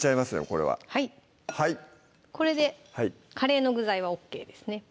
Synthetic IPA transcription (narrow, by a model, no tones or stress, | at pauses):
t͡ɕaimasɨjoko̞ɾe̞̰βa̰hai | hai | ko̞ɾe̞d̪e̞hai | kʰaɾe̞ːno̞ɡɯ̟zaiβ̞ao̞kːe̞ːd̪e̞sɨ̥ne̞